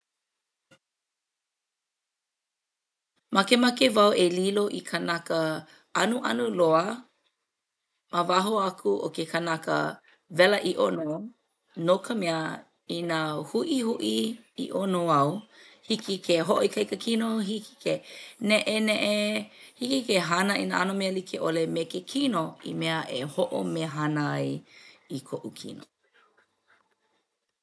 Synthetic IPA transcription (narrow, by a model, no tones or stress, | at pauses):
makemakevɐwʔeliloʔikʰanakə | ɐnuʔɐa̰nuloə | mavaɦoakʰuʔo̰kekʰanakə̰ | vɛlɐʔiʔono | nokʰəmeə | inahuʔihuʔiḭʔonoɐw | hikikʰeɦoʔoikʰɐjkəkʰinoɦiki̥kʰenɛʔeneʔehikikeɦanɐʔḭnaʔanomeəlikʰeʔolemekekʰinoḭmeəʔehoʔo̰meɦanəɐjikʰoʔukʰḭno